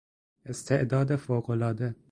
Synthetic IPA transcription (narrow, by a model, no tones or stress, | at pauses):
ʔest̪ʰeʔd̪ɒːd̪efoːɣolɒːd̪e